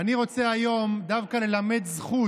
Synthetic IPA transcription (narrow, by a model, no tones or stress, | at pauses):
aniʁo̞t͡seajo̞md̪avkale̞lame̞d̪zχu